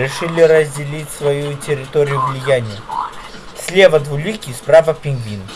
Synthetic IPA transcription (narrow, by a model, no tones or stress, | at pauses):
ɾʲɪʂɨlʲɪɾəzʲdʲɪlʲitʲsvɐjutʲɪɾʲɪt̪oɾʲɪjʊvlʲɪjanʲɪjə | sʲlʲevəd̪vʊlʲikʲispɾavəpʲɪŋɡvʲin